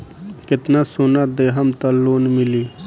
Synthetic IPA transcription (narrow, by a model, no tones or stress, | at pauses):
kɪt̪nasunat̪̚d̪eɦɐmt̪aloːnmɪliː